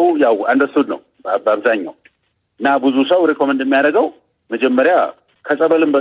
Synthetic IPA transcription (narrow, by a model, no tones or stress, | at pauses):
wjawand̪əsud̪nə̰w | baβzaɲːa̰w | ʔɨnːabɨzusəwɾekʰomənd̪ɛmːijaɾəɡəw | məd͡ʒɛmːəɾja | kʰəsʼəβəlɨmbə